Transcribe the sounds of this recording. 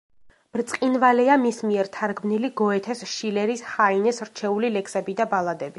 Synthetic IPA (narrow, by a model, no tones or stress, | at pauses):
b̥ɾt̪sʼqʼinvalɛamismiɛɾt̪ʰaɾɡmniliɡɔɛt̪ʰɛsʃilɛɾishainɛsɾt͡ʃʰɛulilɛkʰsɛbid̪abalˠad̪ɛbi